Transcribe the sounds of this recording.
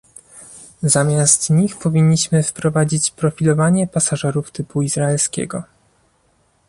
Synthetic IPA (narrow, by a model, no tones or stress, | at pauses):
zamʲjast̪ɲixpɔvʲiɲːiɕmɘfpɾɔvad͡ʑit͡ɕpɾɔfʲilɔvaɲɛpasaʐɛɾuft̪ɘpuizɾaɛlskʲɛ̰ɡɔ